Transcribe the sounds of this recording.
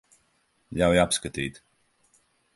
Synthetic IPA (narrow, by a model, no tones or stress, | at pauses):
jawjapskat̪ḭːt̪